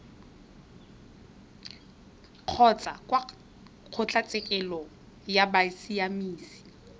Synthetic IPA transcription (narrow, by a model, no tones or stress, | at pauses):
q͡χʰɔt͡sʼa̰kʼwa | q͡χʰʊt͡ɬʼat͡sʼɪkʼɛlɔ | jabaisiamiːsi̥